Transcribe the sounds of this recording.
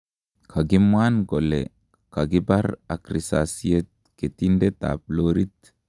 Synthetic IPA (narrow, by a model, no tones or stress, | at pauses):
kʰaɡimwanɡɔlɛ̰ | kaɡibaɾakɾisa̰sijet̪̚ket̪indɛt̪a̰ploɾit̪